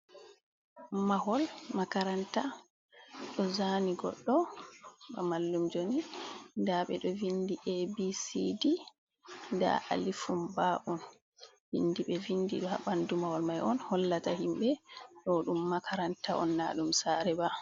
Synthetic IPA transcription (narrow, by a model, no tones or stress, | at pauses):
maɦɔlmakaɾanta | ɗɔzaniɡɔ̰ɗːɔ | ɓa̰malːumd͡ʒonindaɓɛɗɔvindiʔebisidi | nda̰ʔa̰lifumbaʔun | vḭnːdiɓɛvindḭɗɔha̰bandumahɔlmajʔɔnhɔlːatahimbɛɗɔɗumːakʰaɾantaʔɔ̰nːa̰ɗumsaɾɛba